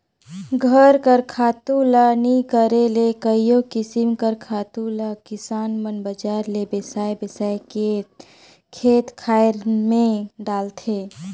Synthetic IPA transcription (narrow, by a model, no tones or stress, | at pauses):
ɡʱəɾkəɾkʰaːt̪ulanikəɾelekəijõkɪsimkəɾkʰaːt̪ulakɪsaːnmənbəd͡ʒaːɾlebesaːjbesaːjke | kʰeːt̪kʰaːɪɾmẽɖaːlt̪ʰeː